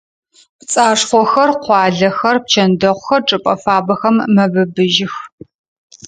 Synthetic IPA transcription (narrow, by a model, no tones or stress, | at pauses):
pt͡sʼaːʂχʷɔxɐrqʷɑːɮɐxɐrp̚t͡ʃʰɐndɐʁʷxɐrʈ͡ʂʼɨpʼɐfaːbɐxɐmːɐbɨbɨʒɪx